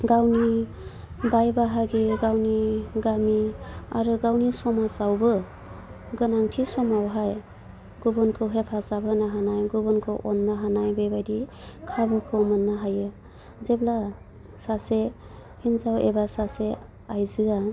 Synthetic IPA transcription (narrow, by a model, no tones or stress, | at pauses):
ɡawni | bajbaɦaɡiɡawniɡamiaɾɯɡawnisɔmasawbɯ | ɡɯnaŋtʰisɔmawɦaj | ɡ̥ubɔnkʰɯwɦepʰasabɯnaɦanajɡubɔnkʰɯwʔɔnːaɦanajbebajdi | kʰabɯkʰɯwmɯnːaɦajɯ | zebla | sasehinzawḛbasase | ajzɯa